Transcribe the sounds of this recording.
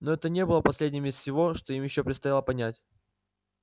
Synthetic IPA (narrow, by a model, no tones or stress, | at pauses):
noɛt̪ənʲe̞bɨlˠəpɐsʲlʲedʲnʲɪmʲɪssʲɪvo̞ʂt̪o̞imjɪɕːopɾʲɪt̪st̪ɐjalˠəpɐnʲætʲ